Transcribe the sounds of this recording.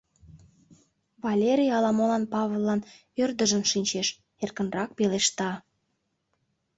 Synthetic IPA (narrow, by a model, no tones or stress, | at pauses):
βɑlʲeɾʲijɑlɑmolɑnpɑβolˠːɑn | ørd̪əʒənʃinʲt͡ɕeʃ | erkə̆nrɑk̚peleʃt̪ɑ